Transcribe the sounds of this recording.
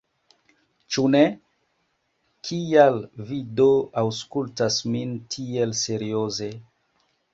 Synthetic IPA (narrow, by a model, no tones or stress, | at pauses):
t͡ʃune | kʰialvidoawskultasmintʰielse̞ɾioze